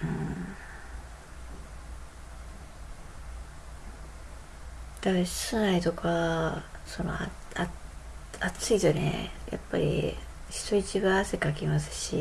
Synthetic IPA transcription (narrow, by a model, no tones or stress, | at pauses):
ɯ̟̃ | d̪asɨnait̪o̞kʰa | so̞no̰a | a | at͡sɨit̪onḛja̰pːaɾʲḭ | ɕi̥t̪o̞it͡ɕiɡaːsekakʲimasɨ̥ɕḭ